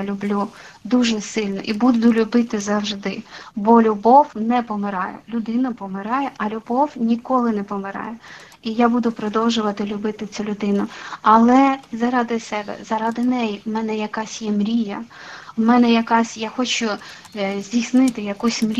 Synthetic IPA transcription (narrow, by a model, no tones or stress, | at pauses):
lʲʊblʲu | d̪uʒɛsɪlʲnɔʔibud̪ʊlʲʊbɪt̪ɪzɐwʒd̪ɪbɔlʲʊbɔwnɛpɔmɪɾɑjɛ̰lʲʊd̪ɪnʊpɔmɪɾɑjɛʔɐlʲʊbɔwnʲikɔlˠɪnɛpɔmɪɾɑ̰jɛ | ijabud̪ʊpɾɔd̪ɔwʒʊʋɐt̪ɪlʲʊbɪt̪ɪt͡sʲulʲʊd̪ɪnʊɐlˠɛzɐɾɑd̪ɪsɛbɛ̰zɐɾɑd̪ɪnɛjimɛnɛjɐkɑsʲjɛmɾʲijɐ | mɛnɛjɐkɑsʲjaxɔt͡ʃʊ | zʲdʲijsnɪt̪ɪjɐkusʲmɾʲ